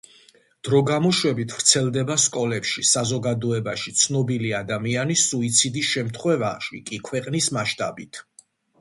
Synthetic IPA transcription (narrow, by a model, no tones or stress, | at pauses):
d̪̥ɾɔɡamɔʃwɛbit̪ʰvɾt̪sʰɛlˠd̪ɛbaskʼɔlɛpʃisazɔɡad̪ɔɛbaʃit̪sʰnɔbiliad̪amianisuit̪sʰid̪isʃɛmt̪ʰχwɛva̰ʃḭkʼikʰwɛqʼnismaʃt̪ʼa̰bit̪ʰ